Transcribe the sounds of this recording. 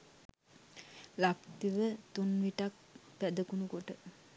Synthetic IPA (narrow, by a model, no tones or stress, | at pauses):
lakt̪iʋət̪unʋiʈak̚pæd̪əkunukoʈə